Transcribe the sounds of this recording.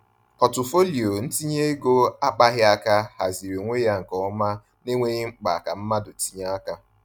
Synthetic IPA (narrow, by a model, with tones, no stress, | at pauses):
ɔ˨tʊ˨fo˦li˨o˨n̩˦ti˦ɲe˦e˦ɡo˦a˦k͡pa˦ɦɪ˦a˦ka˦ha˨zi˨ɾe˨ŋʷe˦ja˦ŋ̩˨kɔ˨˦ma˦ | ne˦ŋʷe˦ɣɪ˦ŋ͡m̩˦k͡pa˨ka˨m̩˦ma˦dʊ˨ti˦ɲa˦a˦ka˦